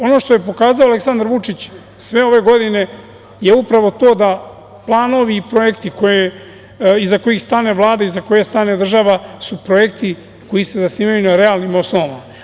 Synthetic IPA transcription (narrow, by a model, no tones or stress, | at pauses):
o̞no̞ʃt̪oje̞po̞kaːzaoale̞ksand̪aɾʋut͡ʂit͡ɕ | sʋe̞o̞ʋe̞ɡo̞d̪ine̞ | je̞upɾaʋo̞t̪o̞ːd̪a | plˠaːno̞ʋiːpɾo̞je̞kt̪iko̞je | izako̞jixst̪aːne̞vlˠaːd̪aizako̞jest̪aːne̞d̪r̩ʒaʋasupɾo̞je̞kt̪i | ko̞jise̞zasniːmajunaɾe̞alnimo̞sno̞ʋaʋama